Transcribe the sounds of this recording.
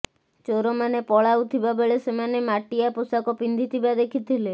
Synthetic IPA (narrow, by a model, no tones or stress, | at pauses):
t͡ʃoɾɔmanepɔɭawt̪ʰibabeɭesemanemaʈijapusakɔpind̪ʱit̪ʰibad̪ekʰit̪ʰile